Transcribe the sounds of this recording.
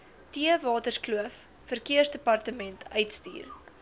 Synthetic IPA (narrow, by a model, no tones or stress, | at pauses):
tiəvɑːtərskluəfː | ərkiərsdəpɐrtəmɛntʰœɥtstḭːr